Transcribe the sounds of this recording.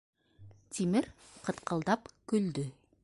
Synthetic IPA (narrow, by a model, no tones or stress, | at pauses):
t̪ʰimɪɾqʰə̆t̪qʰəlˠd̪ɑpkʲʰɵld̪ɪ